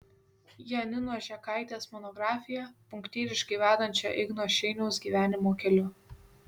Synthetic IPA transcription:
jɛnʲɪnoːʒʲɛkɑˑɪt̪ʲeːsmɔnɔɡɾɑːfʲɪjɛpʊŋʲkt̪ʲiːɾʲɪʃkɐɪʋʲæːd̪ɐnʲt͡ʃʲo̰ʔɪɡnoːʃʲɛɪnʲɛʊsɡʲiːʋʲæːnʲɪmoːkʲɛlʲʊ

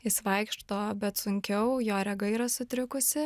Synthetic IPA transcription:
ɪsʋɐɪkʃt̪oːbʲɛt̪sʊŋʲkʲɛʊjoːɾʲɛɡɐiːɾɐsʊt̪ʲɾʲɪkʊsʲɪ

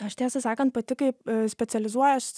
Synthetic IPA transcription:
ɐʃt̪ʲæːsʲɐsɑːkɐnt̪pɐt̪ʲɪkɐɪsʲpʲɛsʲɛlʲɪzuɔjɐʃ

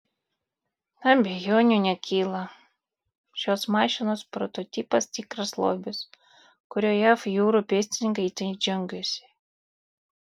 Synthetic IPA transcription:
nɐbʲɛjoːnʲunʲɛkʲʰiːlˠɐ | ʃʲoːsmɑːʃʲɪnoːspɾɔt̪ɔt̪ʲiːpɐst̪ʲikɾɐslˠo̰ːbʲɪs | kʊɾʲoːjafjuːɾupʲiːsʲt̪ʲɪnʲɪŋkɐt̪ʲɐnd͡ʒʲɛŋɡʲusʲɪ̥

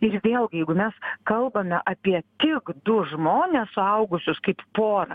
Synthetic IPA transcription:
ɪɾʋʲeːlˠɡʲɪjɛɪɡʊmʲɛskɐlˠbɐmʲɛʔɐpʲiɛt̪ʲɪkd̪ʊʒmoːnʲɛssʊɐʊɡʊsʲʊskɐɪppoːɾɐ

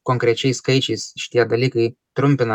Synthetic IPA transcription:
koŋkɾʲɛt͡ʃejskɐjt͡ʃisʲʃt̪ʲijad̪ɐlʲikəj | t̪ɾʊmʲpʲɪnɐ

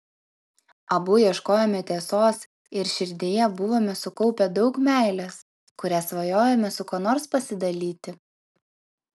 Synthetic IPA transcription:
ɐbʊjiɛʃkoːjɛmʲɛt̪ʲeːsoːs | ɪɾʃʲɪɾʲd̪ʲeːjɛbʊʋoːmʲɛsʊkɔʊpʲɛd̪ɒʊkmʲæˑɪlʲɛs | kʊɾʲæsʋɐjoːjɛmʲɛsʊkoːnoːɾspɐsʲɪd̪ɐlʲiːt̪ʲɪ

